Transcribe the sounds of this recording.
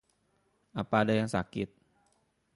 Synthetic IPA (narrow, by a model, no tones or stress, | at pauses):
ʔapaːdajaŋsakɪt̪̚